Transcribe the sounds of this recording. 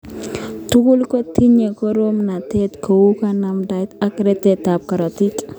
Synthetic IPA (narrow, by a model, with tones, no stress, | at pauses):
t̪u˦ku˦lko˦t̪i˦ɲe˨kɔ˦ɾo˦mna˨t̪e˦t̪kʰo˨wu˦ka˦na˦mda˦jt̪a˦kɾɛ˦t̪ɛ˨t̪a˨p̚ka˨ɾɔ˨t̪i˦k